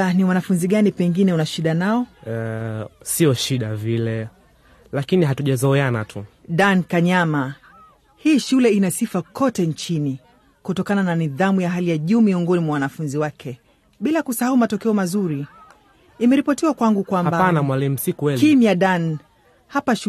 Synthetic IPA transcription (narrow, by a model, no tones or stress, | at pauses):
aniwanafunziɠanipɛŋɡinɛunaʃiɗanaɔ | siɔʃiɗavilɛ | lakiniɦatuʄazɔɛana̰tʰuɗankaɲama | hiːʃulɛinasifakʰɔtɛnt͡ʃini | kutɔkanananiðamujaɦalijaʄuːmiɔŋɡɔnimwawanafunziwakʰɛ | ɓilakusahaumatɔkɛɔmazuɾi | imɛɾipɔtiwakwaŋɡukwambaanamwalim̩sikuwɛkimjaɗan | hapaʃ